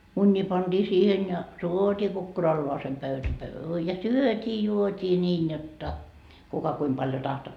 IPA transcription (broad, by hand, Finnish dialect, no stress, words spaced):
munʲːiː pɑnd̥iː siːhen jɑ tuotiː kukːurɑlːoɑsem pøytæ pøy jɑ syøtʲiː juotʲiː nʲiːn jotːɑ kukɑ kuim pɑljo tɑhto